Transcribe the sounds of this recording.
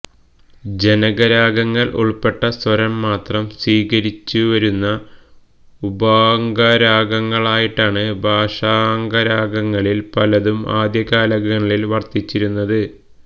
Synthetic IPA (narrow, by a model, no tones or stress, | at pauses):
d͡ʑe̞nɐɡɐɾaːɡɐŋːɐɭʔṵɭpe̞ʈːɐswɐɾɐmːaːt̪rɐmsiːkɐɾit͡ɕːuʋɐɾunːɐ | ubaːŋɡɐɾaːɡɐŋːɐɭaːjiʈːaːɳɨbʱaːʂaːŋɡɐɾaːɡɐŋːɐɭilpɐlɐðuma̰ːd̪jɐkaːlɐɡɐŋːɐɭilʋɐrt̪it͡ɕːiɾunːɐðɨ